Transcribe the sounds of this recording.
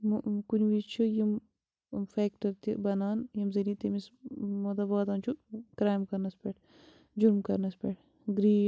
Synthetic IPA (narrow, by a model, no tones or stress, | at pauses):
mkunʲʋiːt͡ʃʰujim | feːkʈɐɾt̪ibɐnaːnjimzɐlit̪imismod̪ɐbaːd̪aːnt͡ʃʰukɾaːjmkɐɾnɐspʲeːʈʰ | d͡ʒuɾmkɐɾnɐspʲeʈʰ | ɡɾiː